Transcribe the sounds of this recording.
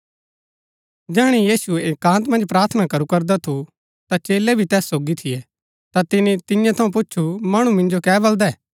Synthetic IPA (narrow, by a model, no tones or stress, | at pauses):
d͡ʒɛːɽ̃ijiːsuekãːnt̪mɐ̃nd͡ʒpɾaːɾt̪ʰənakɐɾukɐɾd̪at̪ʰu | t̪at͡ʃeːlɛbʱit̪ɛːsːoːɡit̪ʰɪjɛ | t̪at̪ɪnit̪ɪjãt̪ʰɐũp̬ʊːʃʰumɐɽ̃umɪ̃nd͡ʒokɛːbɐld̪aɛː